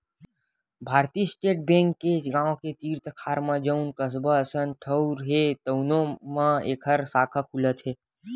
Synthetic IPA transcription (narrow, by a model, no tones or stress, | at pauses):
bʱaːɾt̪iːsʈeːʈ̚bɛ̃ːŋkːeɡãːõket̪iːɾt̪əkʰaːɾmãd͡ʒəʊnkəs̬bəəsənʈʰəʊɾɦet̪əʊnõmãeːkʰəɾsaːkʰakʰulət̪ɦeː